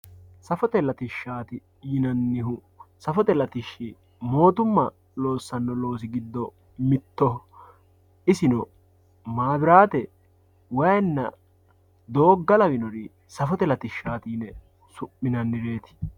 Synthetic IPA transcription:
sɐfɔt̪ɛlɐt̪ɪʃːaːt̪ɪ | jɪnɐnːɪɦʊ | sɐfɔt̪ɛlɐt̪ɪʃːi | mo̞ːt̪ʊmːɐ | lo̞ːsːɐnːɔlo̞ːs̬ɪɡɪd̪ːɔ | mɪt̪ːɔ | ɪsɪnɔ | maːbɪɾaːt̪ɛ | wɐjnːɐ | d̪o̞ːɡːɐlɐwɪnɔɾi | sɐfɔt̪ɛlɐt̪ɪʃːaːt̪iːnɛ | sʊʔːɪnɐnːɪɾe̞ːt̪ɪ̥

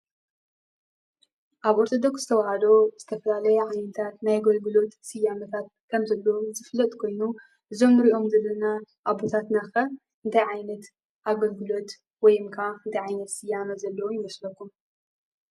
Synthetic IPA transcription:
ʔaβoɾt̪ʰo̞d̪o̞ksz̥ɨt̪ʰɐwhad̪o̞z̥ɨt̪ʰɐfɐlalɐjɛʕajnɐt̪ʰat̪najɡɐlɡɨlo̞t̪sɨjːamɐt̪ʰat̪̚kʰɐmzɐlːɐwuzɨflɐt̪ʼkʰo̞jnu | ʔɨzo̞mnɨɾiʔo̞mzɐlːɐnaʔabo̞t̪ʰat̪naxɐ | ʔɨnt̪ʰajʕajnɐt̪ | ʔaɡɐlɡɨlo̞t̪ | wɔjɨmkʰaɨnt̪ajʕajnɐt̪sɨjamɐzɐlːɐwujɪwɐslɐkːum

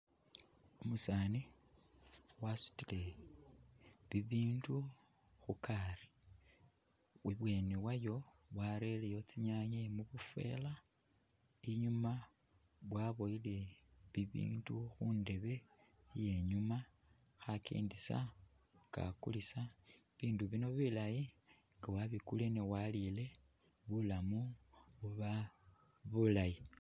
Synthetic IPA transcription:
umusani | wasu̥tile̞ | βiβiːndu | xukʰari̥ | wiβweːniwajo̞ | βwaɾe̞lejo̞t͡siɲaɲemuβufe̞̰la | iɲuma | βwaβo̞jileβiβḭːnduxunde̞βe̞ | je̞ɲuma | xakʰḛːndisa̰ | ŋɡ̥a̰kulisa | βiːnduβino̞βilaji | ŋɡawaβikulenewalile̞ | βulamuβuβa | βulaji

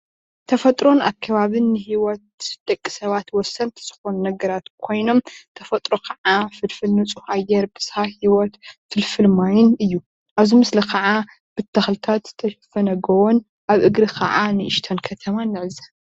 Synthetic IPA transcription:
t̪ʰɐfɐt̪ʼɾo̞na̰kʰːɐβaβɨnːɨhiwɔt̪̚d̪̥ɐkʼːi̥sɐβat̪wɔsɐnt̪ʰɨ̥z̥ɨxo̞nunɐɡɐɾat̪kʰo̞jno̞mt̪ʰɐfɐt̪ʼɾokʰɐʕafɨlfɨlnɨt͡sʼuhʔajːɛɾbɨz̥hahiwɔt̪fɨlfɨlmajɪnɨjːu | ʔaβzimɨslikʰɐʕa | b̥ɨt̪ʰːɐxlɨt̪ʰat̪t̪ʰːɐʃfɐnɐɡɐwon | ʔaβʔɨɡɾɨkʰɐ̰ʕanɨʔɨʃt̪ʰɐnkʰɐt̪ʰɐmanːɨʕɨzɐ

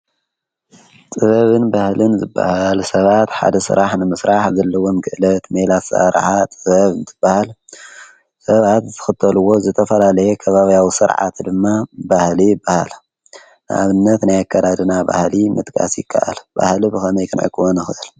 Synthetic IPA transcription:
t͡sʼɨβɐβɨnbahlɨnzɨbːa̰halsɐβat̪ħa̰d̪ɐsɨ̰ɾaħnɨmɨsɾaħzɐlːɐwonɡɨʔlɐt̪melat̪sa̰ɾ̰ħat̪ʼɨβɐβɨnzɨb̥ːahal | sɐβat̪zt̪ʰɨ̥xɨt̪ʰːɐluwːo̞zɨt̪ʰɐfɐlalɐjekʰɐβaβijawisɨɾʕa̰t̪d̪ɨmːabahlijɪbːaha̰l | nʔa̰βɨnːɐt̪najakʰːad̪ad̪ɨnaba̰hlimɨ̰t̪ʼkʼʰa̰sjɪkʰːa̰ʔa̰lba̰hlibɨxɐnɐjkʼɨnʕɨ̰kʰɨwonɨxɨʔɨl

